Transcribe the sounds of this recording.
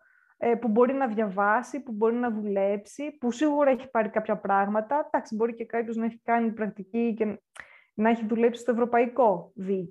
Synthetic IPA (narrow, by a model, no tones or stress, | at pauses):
epubo̞ɾinɐðʝɐvɐsipubo̞ɾinɐðule̞psipusiɣuɾɐeçi̥pɐɾikɐpçɐpɾɐɣmɐt̪ɐd̪̥ɐksibo̞ɾice̞kɐpço̞znɐeçi̥kɐnipɾɐk̚t̪icice̞ | nɐeçiðule̞psi̥st̪oe̞vɾo̞pɐiko̞ðic